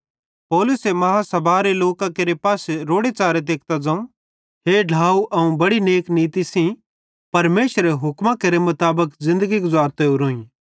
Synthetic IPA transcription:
pɔːlʊsemɐɦasɐbʱaːɾeloːkãkeːɾepaːseɾoːɽet͡ʃaːɾet̪̬eːk̚t̪ad͡zãũ | ɦeɖʱaːuʔɐũbɐɽineːkniːt̪isĩ | pɐɾmeːʃɾeɦʊkmãkeɾemʊt̪aːbəkzɪ̃nd̪əɡiɡʊzaːɾt̪eʊɾoːĩ

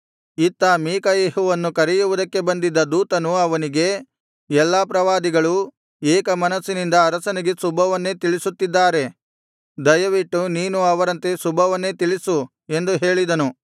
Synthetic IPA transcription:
it̪ːɐːmiːkɐjeːɦuʋɐnːukɐɾɛjuʋud̪ɐkːe̞bɐnd̪id̪ːɐd̪uːt̪ɐnuɐʋɐniɡe̞ | ɛlːaːpɾɐʋaːd̪iɡɐɭu | eːkɐmɐnɐsːinind̪ɐːɾɐsɐniɡe̞subʱɐʋɐnːe̞ːt̪iɭisut̪ːid̪ːaːɾe̞ | d̪ɐjɐʋiʈːuniːnuɐʋɐɾɐnt̪e̞subʱɐʋɐnːe̞ːt̪iɭisu | e̞nd̪uɦe̞ːɭid̪ɐnu

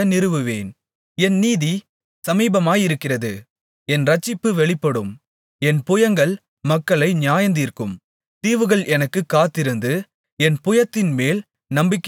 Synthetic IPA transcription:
ɐnɪɾɯʋɯʋeːn | ɛnniːði | sɐmiːbɐmaːjɪɾɯkːɪrɐðɯ | ɛnɾɐt͡ʃːɪpːɯʋɛɭɪpːɐɽɯm | ɛnpʊjɐŋɡɐɭ | mɐkːɐɭɐɪnjaːjɐnd̪iːrkɯm | t̪iːʋɯɣɐɭʔɛnɐkːɯkːaːt̪ːɪɾɯnd̪ɯ | ɛnpʊjɐt̪ːɪnmeːl | nɐmbɪkː

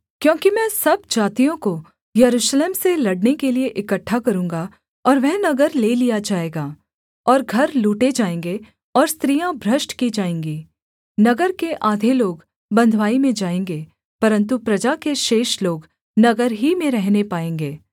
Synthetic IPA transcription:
kjõːkimɛ̃ːsɐb̚d͡ʒaːt̪ijõko | jɐɾuːʃleːmselɐɽnekelieʔɪkəʈʰːakɐɾũːŋɡa | ɔːɾʋɛːnɐɡəɾleːlijad͡ʒaːeːɡaː | ɔːɾɡʱɐɾluːʈed͡ʒaːẽːŋɡe | ɔːɾst̪ɾijãbʱɾɐʃʈkid͡ʒaːẽːŋɡiː | nɐɡəɾkeʔaːd̪ʱeloːɡ | bɐ̃nd̪ʱʋaːimẽd͡ʒaːẽːŋɡeː | pɐɾə̃nt̪upɾɐd͡ʒakeʃeːʃloːɡ | nɐɡəɾɦimẽɾɛɦnepaːẽːŋɡeː

